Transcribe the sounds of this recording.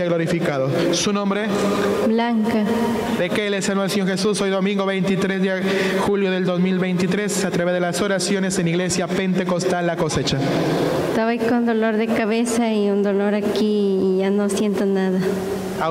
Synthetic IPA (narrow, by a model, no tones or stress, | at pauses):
aɣlo̞ɾifikaðo | sunõ̞mbɾe | blaŋka | ðekelesanuelseɲo̞ɾxesuso̞jðo̞mĩŋɡo̞βe̞jnt̪it̪ɾezðe | xuljo̞ðeld̪o̞zmilβe̞jnt̪it̪ɾesat̪ɾaβe̞zðelaso̞ɾasjo̞neseniɣle̞sjape̞nt̪e̞ko̞st̪alːako̞se̞t͡ʃa | t̪aβajkond̪o̞lo̞ɾðe̞kaβesaiund̪o̞lo̞ɾakiːʝanosje̞nt̪onaða | a